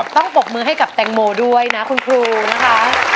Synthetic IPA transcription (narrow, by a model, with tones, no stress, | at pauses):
t̪ɔ˥˩ŋpo˨˩k̚mɯː˧ɦa˥˩jka˨˩p̚t̪ɛ˨˩ŋmoː˩du˥˩əjna˦˥kʰu˧nkʰɾuː˧na˦˥kʰa˦˥